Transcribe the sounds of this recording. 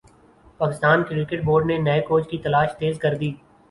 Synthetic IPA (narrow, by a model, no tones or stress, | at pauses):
paːkɪst̪aːnkɾɪkeʈ̚boːɾɖnenɐekoːd͡ʒkit̪ɐlaːʃt̪eːzkɐɾd̪iː